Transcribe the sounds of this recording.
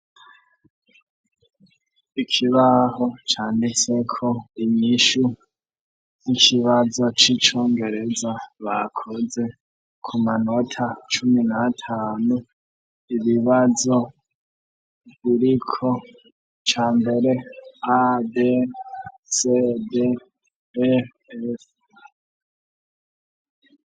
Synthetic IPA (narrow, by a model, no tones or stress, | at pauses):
ikʰiβaɦo̞t͡ʃaːndit͡se̞kʰo̞iɲiʃu | nikʰiβazo̞t͡ʃit͡ʃo̞ːŋɡe̞ɾe̞zaβakʰoze̞ | kʰumanotʰat͡ʃuminatʰaːnu | iβiβazo̞ | βiɾikʰo | t͡ʃaːmbe̞ɾe̞ade | sede | s